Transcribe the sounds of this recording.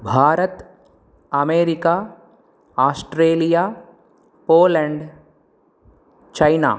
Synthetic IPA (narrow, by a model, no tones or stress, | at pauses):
bʱaːɾət̪ | ɐmeːɾɪkaː | aːsʈɾeːlijaː | poːlɛ̃ɳɖ | t͡ʃaːɪna̰ː